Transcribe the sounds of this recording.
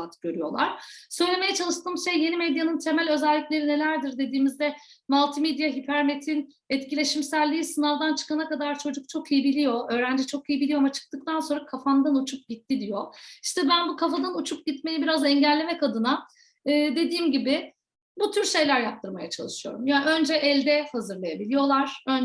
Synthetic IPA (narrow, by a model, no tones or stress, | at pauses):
at̪ɟ̥ø̞ɾyjo̞̰lˠa̰ɾ̥sø̞jlʲe̞me̞jɛt͡ʃʰalˠɯʃt̪ʰɯːmʃejje̞nimɛd̪janɯnt̪ʰe̞mælʲø̞zɛlʲːiclʲe̞ɾine̞lʲæɾd̪iɾd̪e̞d̪iːmizd̪ɛ | malˠt̪ʰimed̪jaɦipʰæɾme̞t̪ʰin | ɛt̪cilʲe̞ʃimsælʲːiːisɯnalˠd̪ant͡ʃʰɯ̥kanakad̪aɾt͡ʃʰo̞d͡ʒuk̚t͡ʃʰo̞kʰijibilʲijo̞ø̞ːɾænd͡ʒɛt͡ʃʰo̞kijibilʲioamat͡ʃʰɯ̥k̚t̪ɯk̚t̪ʰanso̞nɾakʰafand̪anut͡ʃʰup̚ɟit̪ʰːid̪ijo̞i̥ʃt̪ʰɛbænbukʰafad̪anut͡ʃʰuk̚ɟit̪me̞jibiɾazɛɲɟælʲːe̞mɛkad̪ɯna | ɯːd̪e̞d̪iːmɟibɪ | but̪ʰyɾʃe̞jlʲæɾjap̚t̪ʰɯɾmajat͡ʃʰa̰lˠɯʃɯjo̞̰ɾumjaːø̞nd͡ʒɛʔɛlʲd̪ɛhazɯɾlˠajabilʲijo̞lˠaɾ̥øn